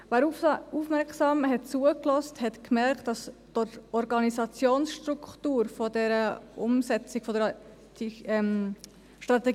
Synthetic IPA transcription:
væːɾufufmɛɾksɑːmɦɛt̚t͡suəklɔsthɛtkmɛɾktd̥ɑstɔtɔɾɡɑnisɑt͡sjoːnsʃtɾukχtuːɾfɔdɛɾəʔʊ̰msɛt͡sɪɡ̥fɔdəɾ | tiɛm | ʃtɾɑt̪ɛɡ

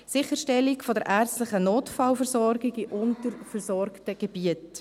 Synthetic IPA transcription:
sɪχəɾʃtɛlikfɔdəɾʔæːɾt͡sstlɪχənoːtfɑlfəɾsɔɾɡɪɡiʔʊntəɾfəɾsɔrktəɡ̥ɛb̥iət

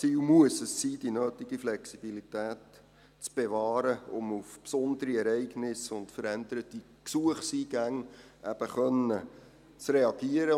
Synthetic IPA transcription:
t͡siːlmuəsəsːiːd̥inøːtiɡ̥iflɛksib̥ilitæːt | t͡sb̥evɑːɾəʊmufpsʊndəɾiɛɾɛɪɡnɪsʊntfəɾænd̪əɾəti | ksuəχsiːɡ̥æŋʔæb̥əχœnə | t͡sreɑɡ̥iəɾə

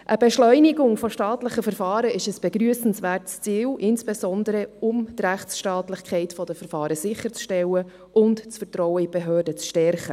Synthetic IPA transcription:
ʔəbeʃlœʏnɪɡʊŋfɔʃtɑːtlɪχəfəɾfɑːɾəɪʃəsb̥eɡɾyəsn̩svæːrtst͡siːlʔɪnsb̥esɔnd̪əɾəʊmt̪ræχtsʃtɑːtlɪχkʰɛɪtfɔd̥əfəɾfɑːɾəsɪχːəɾt͡sʃtɛlə | ʊntt͡sfərtrɔwəibeɦøːrdət͡sʃtɛɾχə

